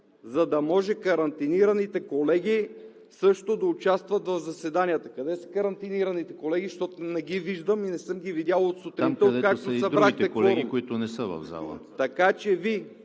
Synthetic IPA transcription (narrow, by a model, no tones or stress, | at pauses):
zɐd̪ɐmɔʒɛkɐɾɐnt̪iniɾɐnit̪ɛkolɛɡʲi | sɤʃt̪od̪ɐʊt͡ʃast̪vət̪vɐvzɐsɛd̪anijət̪əkɐd̪ɛsə̥kɐɾɐnt̪iniɾɐnit̪ɛkolɛɡ̟iʃt̪ɔt̪onɛɡiviʒd̪əminɛsɤmɡʲivid̪ʲjalˠot̪sot̪ɾint̪od̪ɛkak̚t̪osɐd̪ɾbɾakt̪ɛklɛɡikoit̪ʊnɛsəvɐ̰vza̰lˠə̰t̪ɐkat͡ʃɛvi